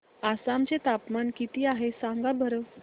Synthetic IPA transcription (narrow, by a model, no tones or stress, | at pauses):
asamt͡set̪apmankit̪iːaɦesãŋɡabʱəɾə